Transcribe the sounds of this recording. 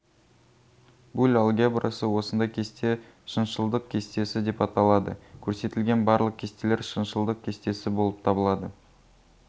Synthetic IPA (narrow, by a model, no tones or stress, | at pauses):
bulʲalˠɡʲiabrasəwo̞sənd̪ɑjkʲʰe̞st̪e̞ | ʃənʃəlˠd̪əq̚kʲʰe̞st̪e̞sɪd̪e̞pɑt̪ɑlˠɑd̪ə̰kʲʰɵɾse̞t̪ɪlɡʲe̞nbɑɾlˠəq̚kʲʰe̞st̪ele̞ɾʃənʃəlˠd̪əq̚kʲʰe̞st̪e̞sɪbo̞lˠəp̚t̪ʰɑbəlˠɑd̪ə